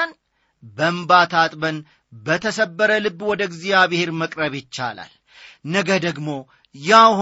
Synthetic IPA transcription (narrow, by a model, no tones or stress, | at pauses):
n | bəmbat̪ʰat̪ʼbən | bət̪ʰəsəbːəɾəlɨbːwɔd̪əɡzijaβɪheɾməkʼɾəβɪt͡ʃːa̰la̰l | nəɡəd̪əɡmo̞ | jah